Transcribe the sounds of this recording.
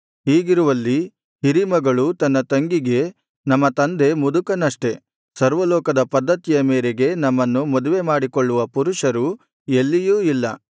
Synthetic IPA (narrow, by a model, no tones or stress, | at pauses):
ɦiːɡiɾuʋɐlːi | ɦiɾimɐɡɐɭut̪ɐnːɐt̪ɐŋɡiɡe̞ | nɐmːɐt̪ɐnd̪e̞mud̪ukɐnɐʂʈe̞ | sɐɾʋɐlɔːkɐd̪ɐpɐd̪ːɐt̪ijɐmeːɾeɡe̞nɐmːɐnːumɔd̪uʋe̞maːɽikoɭːuʋɐpuɾuʂɐɾu | elːijuːilːɐ̰